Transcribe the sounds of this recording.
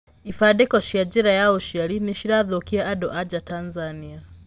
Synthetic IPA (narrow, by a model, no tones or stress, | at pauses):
ifaɗikɔʃiad͡ʒiɾajauʃialiniʃiɾaðokiaʔaɗɔʔad͡ʒatanzania